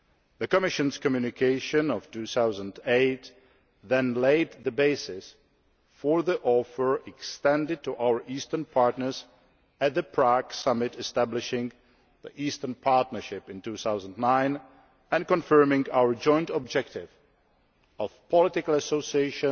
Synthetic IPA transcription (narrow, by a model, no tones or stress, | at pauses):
ðəkɔmɪʃə̃nskɔmjʉnɪkʰeɪʃə̃nɔvtuːθawzə̃ndeɪt | ðɛ̃nleɪd̪ðəbeɪsɪs | fɔɹðiʔɔfə˞ɛkstɛ̃ndɪd̚tuʔawə˞ʔiːstə˞npʰaɹtnə˞z | æt̪̚ðəpʰɹaksʌmɪtɛstæblɪʃɪ̃ŋ | ðḭʔiːstənpʰaɹtnə˞ʃɪpɪ̃ntuːθawzə̃ndnãɪ̃n | ɛ̃nkɔ̃nfɜ˞mɪ̃ŋɡawə˞d͡ʒɔ̃ɪ̃ntɔb̚d͡ʒɛk̚tɪv | ɔvpʰɔlɪtɪkl̩ˠəsoʊsieɪʃə̃